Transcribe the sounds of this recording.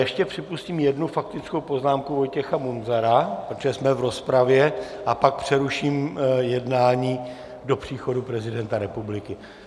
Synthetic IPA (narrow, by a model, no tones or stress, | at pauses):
jɛʃcɛpr̝̥ɪpusciːmjɛdnufak̚t̪ɪt͡sko̞wpo̞znaːmkuvo̞jcɛxamunzaɾapɾot̪oʒɛsmɛvɾo̞spɾavjɛʔapak̚pr̥ɛɾuʃiːmjɛdnaːɲiː | do̞pr̝̥iːxo̞dupɾɛzɪdɛnt̪aɾɛpublɪkɪ